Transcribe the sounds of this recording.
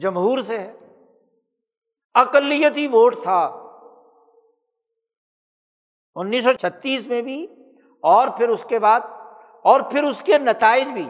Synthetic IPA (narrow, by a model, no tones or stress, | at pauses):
d͡ʒɐmɦuːɾseɦɛː | ɐqəlːijət̪iʋoːʈt̪ʰa | ʊnːiːs̬ːɔt͡ʃʰɐt̪ːiːsmẽbʱi | ɔːɾpʰɪɾʊskebaːd̪̚ | ɔːɾpʰɪɾʊskenɐt̪aːɪd͡ʒbʱiː